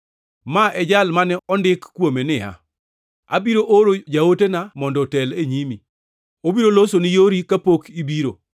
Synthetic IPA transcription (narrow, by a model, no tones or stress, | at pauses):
maʔɛd͡ʒalmanɛɔndɪkːwomenɪa̰ | a̰biɾoʔoɾod͡ʒawotenamɔndɔtɛleɲimi | obiɾolosonɪjoɾikapokibiɾo